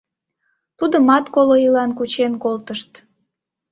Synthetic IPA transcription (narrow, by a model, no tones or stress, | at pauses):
t̪ud̪omɑt̪koloilɑnkut͡ɕenkolt̪əʃt̪